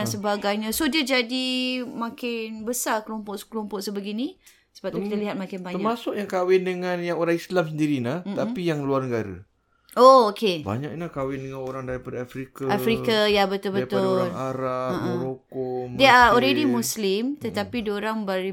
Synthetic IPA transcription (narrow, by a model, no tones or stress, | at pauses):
ansəbaɡajɲãsodiəd͡ʒadimãkɪnbəsarkəlompɔʔsklɔmpɔʔsəbəɡini | sə̥bat̪ukit̪aliɦat̪̚mãkɪnbaɲt̪əamasʊkjaŋkawɪndəŋanjaŋoɾaŋislamsəndiɾinaht̪apijaŋluarnəɡaɾa̰ | ookeba̰ɲak̚lahkawɪndəŋanoɾaŋdaɾipadaafɾikaafɾikajabət̪ʊlbəp̪ʊalŋaɾaəʔɾokɔmdeaɔlɾedimuslɪmt̪ət̪apidoɾaŋbaɾi